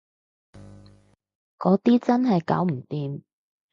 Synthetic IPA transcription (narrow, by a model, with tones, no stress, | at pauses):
kɔː˨˥t̪iː˥t͡sɐ˥nɦɐ˨jka̰ː˨˥wm̩˨˩t̪iː˨m